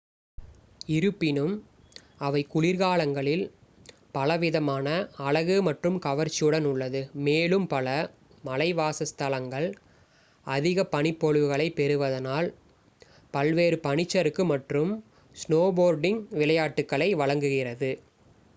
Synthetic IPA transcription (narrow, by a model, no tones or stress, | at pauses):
ɪɾɯpːɪnɯm | ɐʋɐɪkʊɻɪɾɣaːɭɐŋɡɐɭɪl | pɐlɐʋɪðɐmaːnɐːɭɐɣɯmɐʈrɯmkɐʋɐɾt͡ʃːɪjɯɽɐnʊɭːɐðɯmeːlɯmpɐlɐ | mɐlɐɪʋaːsɐst̪ɐlɐŋɡɐɭ | ɐðɪɣɐpɐɳɪpːɔɻɯʋɯɣɐɭɐɪpɛɾɯʋɐðɐnaːl | pɐlʋeːɾɯpɐɳɪt͡ʃːɐɾɯkːɯmɐʈrɯm | snoːboːɾɖɪŋʋɪlɐjaːʈːɯkːɐɭɐɪʋɐɻɐŋɡɯɣɪrɐðɯ